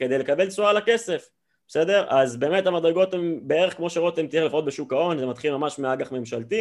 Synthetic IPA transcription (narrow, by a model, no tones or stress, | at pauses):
kede̞jle̞kabe̞lt͡sualake̞se̞f | b̥ese̞de̞ʁʔazbe̞ːme̞tamad̪ʁeɡo̞tembee̞ʁeχkmo̞ʃeʁtemt̪ieχlifʁo̞t̪̚beʃukao̞nzemat̪χilmamaʃmeaɡaχme̞mʃalt̪i